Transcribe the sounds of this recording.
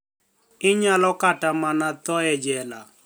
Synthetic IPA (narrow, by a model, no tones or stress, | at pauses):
ɪɲalɔkatamanat̪ɔɛd͡ʒɛla